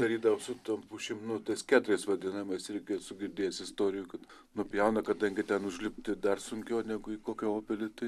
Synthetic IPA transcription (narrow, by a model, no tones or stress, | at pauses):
d̪ɐɾʲiːd̪ɐʋɐsʊt̪ɐmpʊʃʲɪmnʊt̪ɐskʲæːt̪ʊɾʲɛɪsʋɐd̪ʲinɐɪmɐɪsɾʲɛɪkʲeːsʊɡʲɪrʲd̪ʲeːjɛsɪst̪oːɾʲɪjukɐt̪ | nʊpʲjɛʊnɐkɐd̪ɐŋʲɡʲɪt̪ʲɛnʊʒʲlʲɪpʲt̪ʲɪd̪ɐrsʊŋʲkʲɛʊːnʲæːɡʊɪkoːkʲooːpʲɪlʲɪt̪ɐɪ